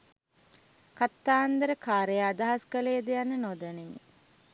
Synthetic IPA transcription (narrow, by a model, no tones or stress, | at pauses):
kat̪ːaːnd̪əɾəkaːɾejaːd̪aɦaskəlejːd̪ejanːənod̪ənemi